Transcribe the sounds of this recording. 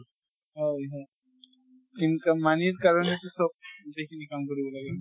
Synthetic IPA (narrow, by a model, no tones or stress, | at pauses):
ɦojɦɔj̪ | inkamaniɾkaɾɔnet̪usɔb̚d̪ekʰinikamkɔɾibɔlaɡe